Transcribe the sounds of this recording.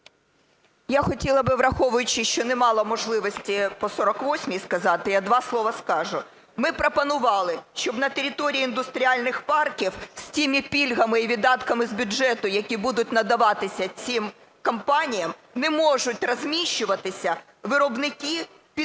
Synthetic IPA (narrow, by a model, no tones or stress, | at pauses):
jaxɔtʲilˠɐbɪʋrɐxɔʋʊjʊt͡ʃɪʃt͡ʃɔnɛmɑlˠɔmɔʒlˠɪʋɔsʲtʲipɔsɔɾɔkʋɔsʲmʲiskɐzɑt̪ɪjad̪ʋɑslˠɔʋɐskɑʒʊ | mɪpɾɔpɐnʊʋɑlˠɪʃt͡ʃɔbnɐt̪eɾʲit̪ɔɾʲiːnd̪ʊst̪ɾʲialʲnɪxpɑrkʲiwsʲtʲimʲipʲilʲɦɐmɪiʋʲid̪ɑt̪kɐmɪzbʲʊʒɛt̪ʊjɐkʲibud̪ʊt̚ʲnɐd̪ɐʋɑt̪ɪsʲɐt͡sʲim | kɐmpɑnʲijɐmnɛmɔʒʊt̚ʲrɐzʲmʲiʃt͡ʃːʊʋɐt̪ɪsʲɐ | ʋɪɾɔbnɪki | pʲ